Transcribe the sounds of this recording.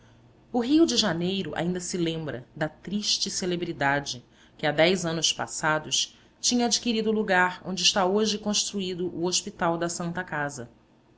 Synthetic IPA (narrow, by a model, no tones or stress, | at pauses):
ʊɦiwd͡ʒɪʒanejɾʊʔa̰ĩnd̪ɐsɪlẽmbɾɐ̰d̪ɐt̪ɾiʃt͡ʃɪselebɾid̪ad͡ʒɪ | kɪad̪ɛjzɐ̃nʊspa̰sad̪ʊʃ | t͡ʃĩɲɐad͡ʒikiɾid̪ʊːluɡaɾõnd͡ʒɪʃt̪aoʒɪkõʃt̪ɾuid̪ʊʔʊoʃpit̪awd̪ɐsɐ̃nt̪ɐkazɐ